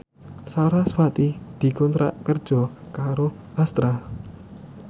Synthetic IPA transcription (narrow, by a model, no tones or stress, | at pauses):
saɾaswat̪id̪̥i̤kɔnt̪ɾa̰ʔkərd̥ʒ̥ɔ̤kaɾo | ʔast̪ɾa